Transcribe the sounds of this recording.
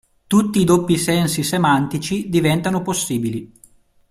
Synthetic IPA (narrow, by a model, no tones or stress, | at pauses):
t̪ut̪ːiːd̪opːisɛnsisemant̪it͡ʃid̪ivɛnt̪anoposːiːbili